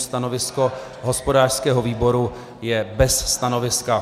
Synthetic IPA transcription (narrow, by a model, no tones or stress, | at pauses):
st̪anovɪsko̞ | ɦo̞spo̞daːr̥skɛːɦo̞viːbo̞ɾu | jɛbɛsːt̪ano̞vɪska